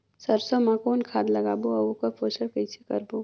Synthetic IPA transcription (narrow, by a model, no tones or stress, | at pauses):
sɐɾsomãkoːnkʰaːd̪lɐɡaːboɐukopoːsəɽkəɪt͡ʃʰekɐ̰ɾboː